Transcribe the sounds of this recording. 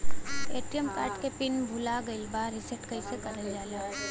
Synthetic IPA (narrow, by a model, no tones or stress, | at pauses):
eːʈɾijəmkaːɾʈkepɪnbʱʊlaɡɐɪlbaːɾɪseʈkɐisekɐɾəld͡ʒaːla